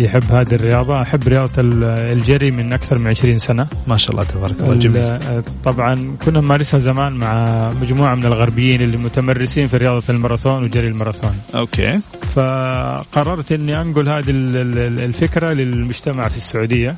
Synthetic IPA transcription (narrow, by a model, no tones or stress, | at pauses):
jɪħɪbːhaːd̪irːɪjɑːðˤɑʔaħɪbːɾɪjɑːðˤɑld͡ʒarːimɪnʔakθɑɾˤmɪnʕɪʃɾiːnsanamaːʃa̰ʔɑlːɑ̰ːt̪abɑːɾˤɑkː | t̪ˤːɑbʕɑnkʊnːamaːɾˤɪshazamaːnmaʕamad͡ʒmuːʕamɪnɪlɣaɾˤbɪjːiːnʔɪlːimʊt̪amarːɪsiːnfiɾɪjɑːðˤɑlmɑɾˤɑt̪oːnwɪd͡ʒaɾːilmɑɾˤɑt̪oːnʔokḛː | faqɑrˤːɑɾˤt̪ʔɪnːiʔanɡʊlhaːd̪illfɪkɾalɪlmʊd͡ʒt̪amaʕfisːaʕuːd̪ɪjːa